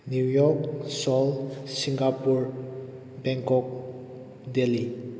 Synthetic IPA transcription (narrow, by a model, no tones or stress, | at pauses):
njujɔksɔlsiŋɡapuɾ | bɛŋkɔk̚ | deli